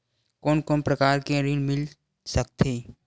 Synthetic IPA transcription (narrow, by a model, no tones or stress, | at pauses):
kɔːnkoːnpɾɐkaːɾkẽɾinmɪl | sɐk̚t̪ʰeː